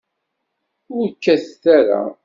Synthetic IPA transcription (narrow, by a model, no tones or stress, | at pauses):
ʊɾkːæθθæɾa̰